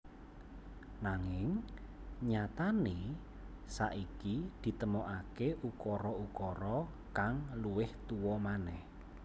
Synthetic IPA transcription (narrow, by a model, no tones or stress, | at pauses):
naŋɪŋ | ɲat̪ane | saʔikid̪̥i̤t̪əmoʔakeʔukɔɾɔukɔɾɔ | kaŋluwɪht̪uwɔmanɛh